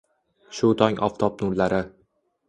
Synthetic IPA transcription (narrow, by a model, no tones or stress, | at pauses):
ʃʊt̪ʰɒŋʲʔɒ̰ft̪ʰɒp̚nʊɾlaɾɪ